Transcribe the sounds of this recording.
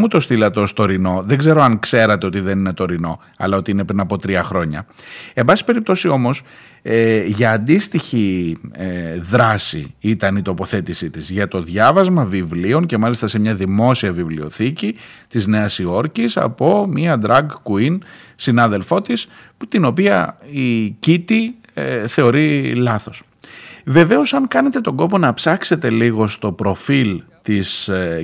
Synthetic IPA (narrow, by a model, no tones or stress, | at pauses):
mut̪o̞st̪ilɐt̪o̞st̪o̞ɾino̞ðeɡze̞ɾo̞ɐŋkse̞ɾɐt̪e̞o̞t̪iðe̞nine̞t̪o̞ɾino̞ | ɐ̰lɐo̞t̪iine̞pɾinɐpo̞t̪ɾiɐxɾo̞ɲɐ̰e̞mbɐsi̥pe̞ɾip̚t̪o̞sio̞mo̞s | ʝɐːnd̪ist̪içi | ðɾɐsḭit̪ɐnit̪o̞po̞θe̞t̪isit̪izʝɐt̪o̞ðʝɐvɐzmɐvivlio̞nce̞mɐlist̪ɐsemɲɐðimo̞siɐvivlio̞θicit̪izne̞ɐsio̞ɾcisɐ̰po̞miɐd̪ɾɐɡkuinsinɐðe̞lfo̞t̪isput̪ino̞piɐicit̪i | eθe̞o̞ɾilɐθo̞s | ve̞ve̞o̞sɐŋkɐne̞t̪e̞t̪o̞ɡo̞po̞nɐpsɐkse̞t̪e̞liɣo̞st̪o̞pɾo̞filt̪is